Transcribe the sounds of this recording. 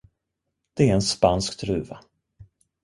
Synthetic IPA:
d̪̥ɛæɾɛnspanskt̪ʰɾʉ̟ːva

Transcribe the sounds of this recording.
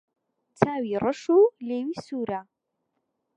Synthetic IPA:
t͡sʰaːwirəʂuleːwiːsuːɾa

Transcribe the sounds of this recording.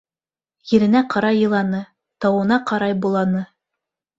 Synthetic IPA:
jɘ̆ɾɘ̆næqɑɾɑjːɤ̆lˠɑnɤ | t̪ɑwɤ̆nɑqɑɾɑjbulˠɑnɤ

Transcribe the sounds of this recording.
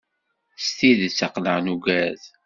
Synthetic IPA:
st̪iðt͡sːəqləʁnuɡæð

